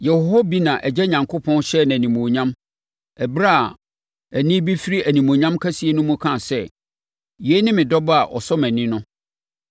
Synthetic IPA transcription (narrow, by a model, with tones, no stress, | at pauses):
jɛ˨hho˦bi˦nã˨ʔɛ˨d͡ʑɛ˦ɲã˨ŋkʰo˦pʰɔ̃˦nɕɛ˦˨nã˨nĩ˨mõ˨ɲã˦m | ɛ˨bɾa˦˨ | æ˨nĩ˦bi˦fi˦ɾi˦ʔæ˨nĩ˨mõ˨ɲã˦mkʰæ˦si˨˦e˨˦nʊ̃˦mũ˦kʰã˦˨sɛ˦ | je˦nɪ̃˦mɪ̃˨dɔ˦ba˨ʔɔ̰˨sɔ˦mæ̃˨nɪ̃˦nʊ̃˦